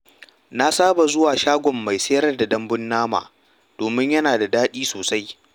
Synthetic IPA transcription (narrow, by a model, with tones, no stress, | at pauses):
na˦saː˦ba˨zʊ˦waː˨ʃaː˦ɡʷɔ˨mːa˨jsɐ˦jɐ˦rda˨dɐ˦mbʊ˦nːaː˦ma̰ː˨ | d̥oː˨mɪ˦ɲjɐ˦naː˨da˨daː˦ɗiː˦soː˨sa˦j